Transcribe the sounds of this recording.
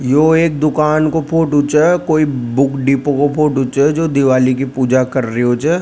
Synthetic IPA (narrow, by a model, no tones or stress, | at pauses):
joːeːk̚d̪ʊkaːnkopʰoːʈʊt͡ʃekoːibʊkɖiːpõkopʰoːʈʊt͡ʃed͡ʒoːd̪ɪʋaːlik̬ipuːd͡ʒakɐɾːiɦot͡ʃɛː